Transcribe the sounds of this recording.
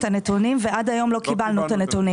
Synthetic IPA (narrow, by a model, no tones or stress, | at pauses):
t̪anet̪unimveʔad̪ajo̞mlo̞kibalnut̪anet̪uni